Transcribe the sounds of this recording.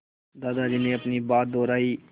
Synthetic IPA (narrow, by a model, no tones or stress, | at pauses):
d̪aːd̪aːd͡ʒiːneːəpniːbaːt̪̚d̪oːɾaːiː